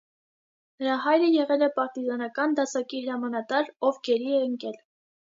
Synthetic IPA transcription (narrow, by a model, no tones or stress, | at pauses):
nəɾɑɦɑjɾəjɛʁɛlɛpɑɾt̪izɑnɑkɑnd̪ɑsɑkihəɾɑmɑnɑt̪ɑɾɔvɡɛɾiɛəŋkɛl